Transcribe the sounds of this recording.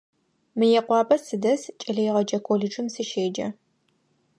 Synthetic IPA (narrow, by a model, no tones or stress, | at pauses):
mɨjɛqʷɑːpʼɐsɨdɐst͡ʃʼɐɮɐjʁɐd͡ʒɐkʷʰoɮɨʈ͡ʂɨmsɨʃeːd͡ʒɐ̰